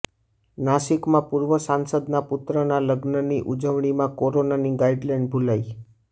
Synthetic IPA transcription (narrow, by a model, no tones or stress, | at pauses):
naʃikmãpuɾʋəsansəd̪napʊt̪ɾənaləɡnəniʔud͡ʒəʋɳ̃imãkoɾonaniɡaiɖlaɳɖ̚bʱulai